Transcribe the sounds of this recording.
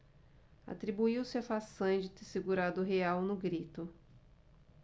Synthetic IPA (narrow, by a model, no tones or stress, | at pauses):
a̰t̪ɾibuiwsɪafasɐ̃d͡ʒɪt̪eɾseɡuɾad̪ʊɦeawnʊɡɾit̪ʊ